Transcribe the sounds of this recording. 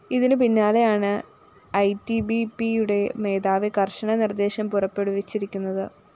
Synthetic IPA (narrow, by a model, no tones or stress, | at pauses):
iðinɨpinːaːle̞jaːɳɨ | ɐjtibipijuɽe̞me̞ːðaːʋikɐrʂɐɳɐnird̪e̞ːɕɐmpurɐpːe̞ɽuʋet͡ɕːiɾikʲːunːɐðɨ